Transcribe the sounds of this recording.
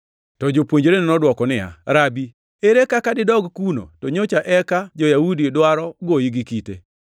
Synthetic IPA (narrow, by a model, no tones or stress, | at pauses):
tɔd͡ʒopwoɲd͡ʒɾenɛnɔdwɔkɔnɪa̰ɾabi | eɾekakadɪdɔɡkuno̰toɲot͡ʃaʔɛkad͡ʒɔjaudidwaɾɔɡoiɡikite